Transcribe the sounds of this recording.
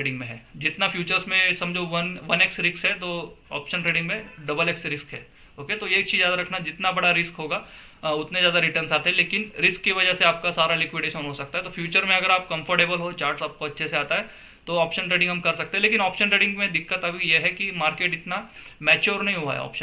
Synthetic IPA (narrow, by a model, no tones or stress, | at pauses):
eːɖɪ̃ŋɡmẽɦɛːd͡ʒɪt̪nafjuːt͡ʃəɾsmẽsɐmd͡ʒoʋɐnʋɐneksɾɪksɦɛt̪oa̰ːpʃə̃nʈɾeːɖɪ̃ŋɡmẽɖɐbəleksɾɪskɦɛ̰ː | oːket̪ojeːk̚t͡ʃʰiːzjaːd̪aɾɐkʰnaɛd͡ʒɪt̪nabɐɽaɾɪskɦoːɡaː | ʊt̪nezjaːd̪aɾɪʈəɾnsaːt̪eɦɛ̃leːkɪnɾɪskːiʋɐd͡ʒəɦseaːp̚kasaːɾalɪkwɪɖeːʃənɦosɐk̚t̪aɦɛt̪ofjuːt͡ʃəɾmẽɐɡəɾaːp̚kɐ̃mfəɾʈeːbəlɦoːt͡ʃaːɾʈsaːp̚koɐtːʃʰeseaːt̪aɦɛ | t̪oaːpʃə̃nʈɾeːɖɪ̃ŋɡɦɐmkɐɾsɐkt̪ẽɦɛ̃leːkɪnaːpʃə̃nʈɾeːɖɪ̃ŋɡmẽd̪ɪkːət̪ɐbʱijeɦɛkimaːɾkeːʈɪt̪namɛːt͡ʃjuːɾnɐɦĩɦua̰ɦɛ̰ɔ̰ːpʃən